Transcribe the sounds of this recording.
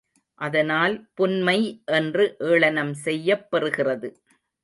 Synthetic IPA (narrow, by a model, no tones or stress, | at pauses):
ʔɐðɐnaːlpʊnmɐɪʔɛndrɯʔeːɭɐnɐmsɛjːɐpːɐɾɯɣɪrɐðɯ